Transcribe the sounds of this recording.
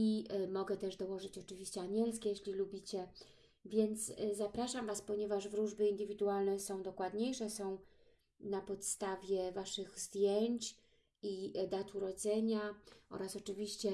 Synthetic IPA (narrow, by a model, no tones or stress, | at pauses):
imɔɡɛt̪ɛʐd̪ɔwɔʐɘt͡ɕɔt͡ʂɘvʲiɕt͡ɕɛaɲʲɛlskʲɛjeɕlʲilubʲit͡ɕɛ | vʲjɛnt̪szapɾaʂamvaspɔɲɛvaʐvɾuʐbɘind̪ɘvʲid̪ualnɛsɔ̃w̃d̪ɔkwad̪ɲejʂɛsɔ̃w̃ | napɔt̪st̪avʲjɛvaʂɘɣzd̪ʲjeɲt͡ɕ | id̪at̪uɾɔd̪zɛɲaʔɔ̰ɾasɔt͡ʂɘvʲiɕt͡ɕɛ